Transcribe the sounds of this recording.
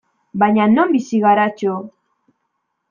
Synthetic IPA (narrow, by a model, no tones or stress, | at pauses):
baɲano̞mbisiɣaɾat͡ʃo